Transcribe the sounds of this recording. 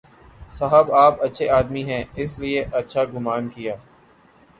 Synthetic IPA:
sɐɦəbaːpɐtːʃʰeaːd̪miɦɛ̃ːɪslieʔɐtːʃʰaɡʊmaːnkijaː

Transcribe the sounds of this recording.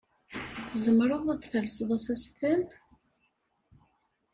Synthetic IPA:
θəzəmɾˤəðˤæd̪θəlsəðˤæsæst̪æn

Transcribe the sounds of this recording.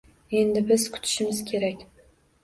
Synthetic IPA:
e̞nd̪ɪbɪzkʲʰʊ̥t̪ʰɪ̥ʃɪmɪzkʲʰe̞ɾakʲ

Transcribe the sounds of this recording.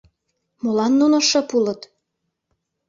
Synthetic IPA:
molɑnːunoʃɤpulə̆t̪

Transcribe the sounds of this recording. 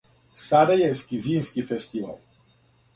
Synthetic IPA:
saɾɛjɛwskiziːmskifɛst̪iʋa̰l

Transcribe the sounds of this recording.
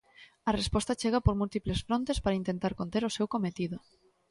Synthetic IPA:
ɐrespɔst̪at͡ʃeɣ̞apoɾmult̪iplesfɾont̪espaɾaint̪ent̪aɾkont̪eɾosewkomet̪iðo

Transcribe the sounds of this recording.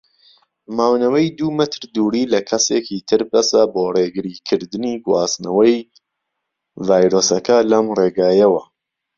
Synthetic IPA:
maːwnɐwɐjd̪umɐt̪ʰɾd̪uːɾiːlɐkʰɐseːkit̪ʰɨɾbɐsɐboːreːɡɨɾikʰɨɾd̪ɨniɡwaːsnɐwɐj | vaːjɾoːsɐkʰɐlɐmreːɡaːjɐwɐ

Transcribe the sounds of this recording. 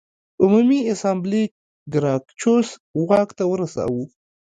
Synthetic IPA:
ʊmumiasambli | ɡɾɑkt͡ʃoswɑkt̪awəɾasɑ̰wu

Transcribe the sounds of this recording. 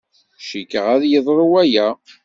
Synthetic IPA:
ʃikəʁæðjəðˤɾˤuwæjæ

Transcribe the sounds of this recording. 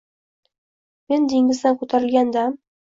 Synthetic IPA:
me̞nd̪eŋʲɪzd̪ankɵt̪ʰaɾɪlɡʲand̪am

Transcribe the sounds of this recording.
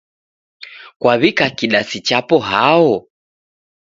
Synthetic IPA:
kwaβikakiɗasit͡ʃapɔɦaɔ

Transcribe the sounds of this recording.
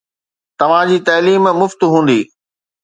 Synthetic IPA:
t̪ɐʋ̤ãd͡ʑiːt̪ɐːliːmmʊft̪ɦũːn̆d̪iː

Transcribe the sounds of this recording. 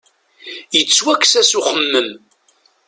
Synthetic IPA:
jət͡sːwækːsæsuχəmːəm

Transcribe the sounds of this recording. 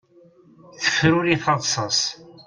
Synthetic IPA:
θə̥fɾʊɾiθɑðˤsˤɑsˤ

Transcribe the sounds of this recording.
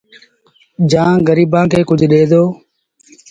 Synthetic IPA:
d͡ʒãːɡəɾiːbãːkʰeːkʊd͡ʒʱɗeːd̪oː

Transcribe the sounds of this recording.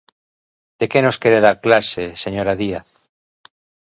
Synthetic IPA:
d̪̥ekenoskeɾeð̞aɾklaseseɲoɾaðiaθ

